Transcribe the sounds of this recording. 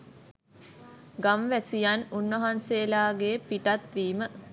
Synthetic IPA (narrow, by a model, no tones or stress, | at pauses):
ɡamʋæsijanunʋɐɦanseːlaːɡepiʈat̪ʋiːmə